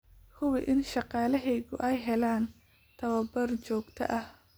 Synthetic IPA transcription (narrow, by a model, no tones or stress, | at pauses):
hʰʊwɪʔɪnʃɑqɑːlɐɦɛjɣʊ̰ʔɛjɦɛlaːn | t̪ʰɐwɐbɐrt͡ʃɔːɡt̪ʰɐ̰ʔɐh